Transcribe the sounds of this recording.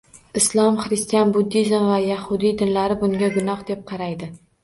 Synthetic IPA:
ɪslˠɒmχɾɪst̪ijanbʊd̪ːizmvajahʊd̪id̪ɪnlaɾɪbʊŋɡʲaɡʊnɒhd̪ep̚qʰɑɾajd̪ɪ

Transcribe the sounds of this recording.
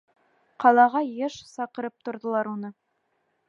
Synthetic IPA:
qʰɑlˠɑʁɑjeʃsɑqəɾəp̚t̪ʰʊ̆ɾd̪ə̆lˠɑɾwonə

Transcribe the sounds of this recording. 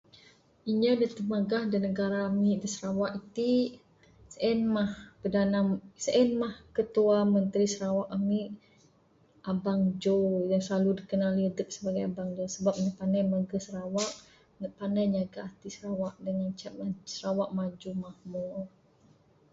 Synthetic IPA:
iɲədət̪əmaɡahdənəɡaɾaːmiʔdəsəɾawaʔit̪i | səɛnmahpədanasəʔɛnmahkət̪uamənt̪ɾisəɾawaʔamiʔ | ʔabaŋd͡ʒojaŋsəlaludikənaliədək̚səbaɡajabaŋd͡ʒosəbap̚ɲapandajmaɡəsəɾawaʔ | npandajɲaɡaʔt̪isəɾawaʔdəŋant͡ʃasəɾawaʔmad͡ʒumahmɔr

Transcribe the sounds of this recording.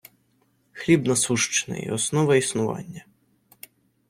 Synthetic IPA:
xlʲibnɐsuʃt͡ʃɪ̥nɪ̰ḭɔsnɔʋɐisnʊʋɑ̰nʲːɐ

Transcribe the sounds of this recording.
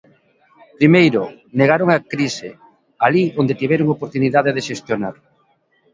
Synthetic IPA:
pɾimejɾo | neɣ̞aɾoŋakɾisḛ | aliond̪et̪iβɛɾoŋopoɾt̪uniðaðeðeʃest̪jona̰ɾ

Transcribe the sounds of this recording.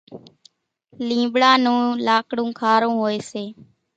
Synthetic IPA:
lĩːbɽaːnũːlaːkɽũːkʰaːɾõːɦoːeːseː

